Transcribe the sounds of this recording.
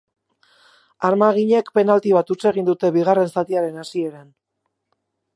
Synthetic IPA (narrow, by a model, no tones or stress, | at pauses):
aɾmaɣ̞iɲe̞kpe̞nalt̪iβat̪ut͡se̞ɣ̞ind̪ut̪e̞βiɣ̞are̞nsat̪iaɾe̞nasie̞ɾan